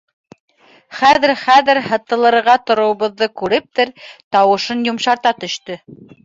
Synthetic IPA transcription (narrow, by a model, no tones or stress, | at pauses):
χæðɘɾχæðɘɾhɤ̆t̪ɤ̆lˠɤ̆ɾɾʁɑt̪ŏɾŏwɤβɤ̆ðːɤkʉɾɘp̚t̪ɘɾt̪ɑwɤ̆ʃɤnjŏmʃɑɾt̪ɑt̪ɵ̆ʃt̪ɵ